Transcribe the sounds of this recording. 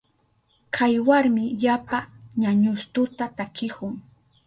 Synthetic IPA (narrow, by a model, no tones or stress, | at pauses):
kʰajwaɾmɪʎapaɲaɲʊst̪ʊt̪at̪akɪkʊŋ